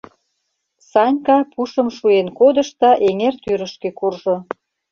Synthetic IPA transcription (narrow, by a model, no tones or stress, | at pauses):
sɑnʲkɑpuʃə̆mʃuenkod̪ə̆ʃt̪ɑʔeŋert̪yɾə̆ʃkø̆kurʒo